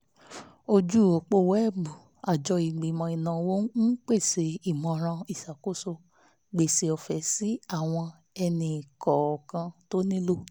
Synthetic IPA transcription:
o˧d͡ʒu˦˨o˨k͡po˦˨wɛ˦˨ɡ͡bu˨ | a˨d͡ʒɔ˧i˨ɡ͡bi˨mã˨˧i˨nã˨wo˦n̩˦n̩˦k͡pe˦˨se˨˧˦i˦˨mɔ̃˧˨ɾ̃ã˧i˨sa˨ko˦so˧ | ɡ͡be˨se˧ɔ˨fɛ˨si˨˦a˦˨w̃ɔ̃˧ | ɛ˧nĩ˧˨kɔ˨kã˧to˦nĩ˦lo˦

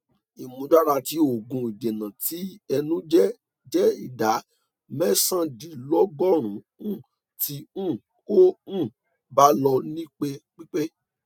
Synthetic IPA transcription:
i˨mũ˨˦da˦ɾa˧ti˨˦o˨ɡũ˧i˨de˨nã˨ti˨˦ɛ˧nũ˦d͡ʒɛ˦ | d͡ʒɛ˦i˨da˨˦ | mɛ˦sã˦di˨lɔ˦ɡɔ˦ɾ̃ũ˨˦ | ũ˦˨ | ti˦ũ˦˨ | ko˦ũ˦˨ | ba˦lɔ˧nĩ˦k͡pe˧k͡pi˦k͡pe˦

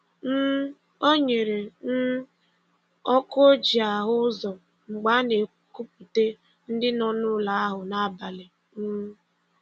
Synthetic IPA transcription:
n̩˦ | o˦ɲe˨ɾe˨n̩˦ | ɔ˦ko˦d͡ʒi˨a˨ɦʊ˦zɔ˨ | ŋ͡m̩˨ɡ͡ba˦ne˨ | ku˦p̚u˨te˦ | n̩˦dɪ˦nɔ˦nʊ˦la˨a˦ɦʊ˨na˦˨ba˨lɪ˨ | m̩˦

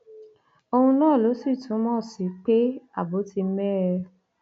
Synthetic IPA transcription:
o˧hũ˧nãː˦˨lo˨˦si˦˨tũ˨˦mɔ̃˦˨si˨˦k͡pe˦a˦˨bo˨˦ti˧m̩˦mɛ˦ɾɛ˧

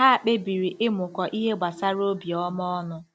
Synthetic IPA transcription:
ɦa˦a˨k͡pe˦bi˨ɾi˨ʔɪ˦mʊ˨kɔ˨ʔi˦ɦe˦ɡ͡ba˨sa˦ɾo˦bi˨ɔ˦m˦ɔ˦nʊ˦

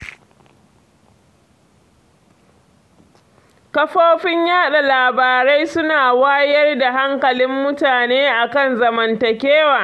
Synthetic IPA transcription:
kɐ˦ɸoː˦ɸɪ˦ɲjaː˦ɗa˨laː˨baː˨ɾa˦jsʊ˦naː˨waː˦jɐ˦rda˨ɦa˦ŋkɐ˨lɪ˦mːʊ˦taː˨neː˦ʔa˨kɐ˦˨nzɐ˨mɐ˨ntɐ˨kʲeː˦waː˨

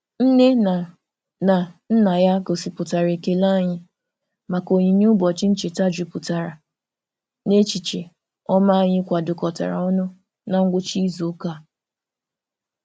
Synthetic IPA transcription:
n̩˦ne˦na˨ | na˨n̩˦na˨ja˦ko˨si˨pʊ˨ta˨ɾe˨ke˦la˦˨ɲɪ˦ | ma˨ko˨ɲi˨ɲu˦bɔ˨t͡ʃi˦n̩˦t͡ʃe˨ta˦d͡ʒu˨pʊ˨ta˨ɾa˨ | ne˦t͡ʃi˨t͡ʃe˨ | ɔ˦ma˦a˦˨ɲɪ˦kʷa˨dʊ˨kɔ˨ta̰˨ɾa̰˨ɔ˦nʊ˦ | na˦˨ŋ̩˦ɡʷʊ˦t͡ʃi˦zu˨˦ka˦˨

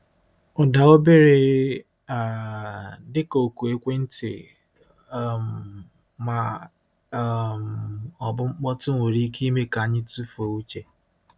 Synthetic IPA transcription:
ʊ˨da˨o˦be˦ɾe˦ | a˨ | dɪ˦ko˨ku˨e˦kʷe˦n̩˦tɪ̰˨˦˨ | m̩˨ | ma˨˦ | m̩ɔ˨bʊ˦ŋ͡m̩˦k͡pɔ˦tʊ˦ŋʷo˨ɾi˦ke˦i˦me˦ka˨ɲɪ˦tu˦fo˨wu˦t͡ʃe˦

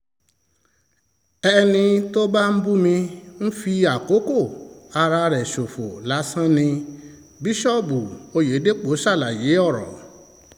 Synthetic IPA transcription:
ɛ˧nĩ˧to˦ba˦n̩˦bu˦mĩ˧n̩˦fi˧a˨ko˨˦ko˦˨a˧ɾa˧ɾɛ˨ʃo˨fo̰˨la˨˦sã˦nĩ˧ | bi˦ʃɔ˦bu˨o˧je˨˦de˦k͡po˨˦ʃa˦˨la˨je˨˦ɔ˦˨ɾɔ̰˨

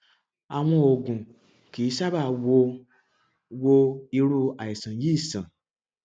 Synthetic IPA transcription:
a˨w̃ɔ̃˧o˨ɡũ˨ | ki˨˦ʃa˦ba˦˨wo˧ | wo˧i˧ɾu˧a˨i˨sã˨ji˦i˦˨sã˨

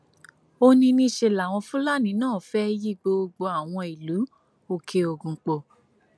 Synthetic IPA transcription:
o˧nĩ˧nĩ˦˧˨ʃe˧˨la˨w̃ɔ̃˧fũ˦la˦˨nĩ˨˦nãː˦˨fɛ˦ji˦˨ɡ͡bo˧ɡ͡bo˧a˦˨w̃ɔ̃˧i˨lu˨˦ | o˧˨kʰe˧o˧˨ɡũ˨k͡po˧˨

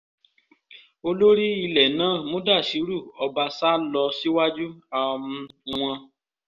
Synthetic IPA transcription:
o˧lo˦ɾi˦i˧lɛ˨nãː˦˨mõ˦da˦˨ʃi˨˦ɾu˦˨ɔ˧ba˧sa˦lɔ˧si˦wa˦d͡ʒu˦a˧mũ˧w̃ɔ̃˧

